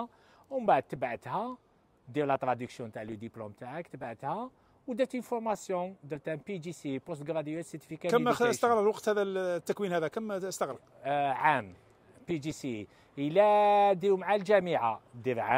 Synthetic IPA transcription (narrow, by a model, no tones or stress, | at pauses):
wmbaʕəd̪̚t̪əbʕət̪hæ | d̪jiɾlat̪ɾɑd̪əksjɔ̃t̪aʕləd̪iplumt̪aʕakt̪əbʕət̪hæ | wd̪æt̪ənfʊɾmɑsjɔ̃d̪əɾt̪æmpid̪isipost̪ɡɾɑd̪jæsət̪i̥fikækmst̪əɣɾəɾwɑqt̪hæðæt̪ːækwinhæd̪ækəməst̪əɣɾə | ʕam | pid̪isi | əlæd̪imʕalʒæmiʕad̪iɾʕa